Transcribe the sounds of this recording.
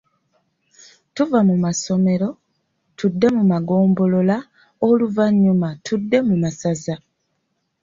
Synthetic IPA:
tuvamumaso̞me̞ɾo̞ | tudːe̞mumaɡo̞ːmbo̞lo̞la | oluvaɲːumatʰudːe̞mumasaza

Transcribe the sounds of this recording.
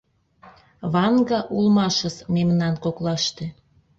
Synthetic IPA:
βɑŋɡɑʔulmɑʃə̆smemnɑnkoklɑʃt̪e

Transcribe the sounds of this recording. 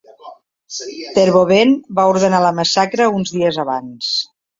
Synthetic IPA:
t̪əɾβoβenbauɾð̞ənaləməsakɾəunzðiəzəβa̰ns

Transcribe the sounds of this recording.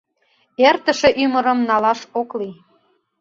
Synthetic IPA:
ert̪ə̆ʃĕʔyməɾə̆mnɑlɑʃokli

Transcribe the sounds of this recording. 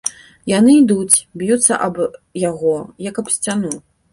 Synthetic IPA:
janɨid̪ut͡sʲbjut̪sːɐ̰ʔɐbjaɣɔjɐkɐpsʲt͡sʲanu

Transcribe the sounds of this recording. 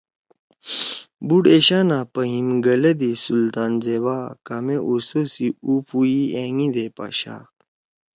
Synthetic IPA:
buɽeɕaːnapɐɦimɡɐlɐd̪isult̪aːnzewaːkameʔusosiupuiʔeŋĩd̪eːpa̰ːɕa̰ː

